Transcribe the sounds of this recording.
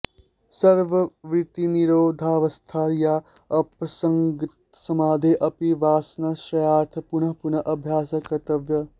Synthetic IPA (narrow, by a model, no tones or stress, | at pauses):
sɐɾʋɐʋɾɪt̪iniɾoːd̪ʱaːʋɐst̪ʰaja | ɐpɐsɐŋɡit̪ | sɐmaːd̪ʱeʔɐpiʋaːsnaʃɐjaːɾt̪ʰɐpunɐɦpunɐʔɐbʱjaːsɐkɐt̪ɐʋjɐ